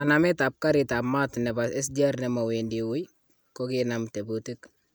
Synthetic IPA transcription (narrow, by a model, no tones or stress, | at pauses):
anamitap̚kaɾitamatnɛbasɛs̬d͡ʒaɾnɛmawendiwuj | kɔkinamtebutik